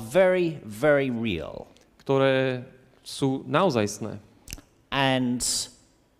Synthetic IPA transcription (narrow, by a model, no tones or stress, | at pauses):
vɛɹivɛɹiɹḭə̰lˠ | kt̪uɾɛ | sũnawzajsnɛ̰ | ʔə̃n